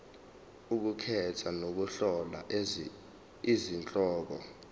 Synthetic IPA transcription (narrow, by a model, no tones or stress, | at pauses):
uk̬ukʰɛtʰanok̬uɬɔla̰ | izint͡ɬʼɔːk̬ɔ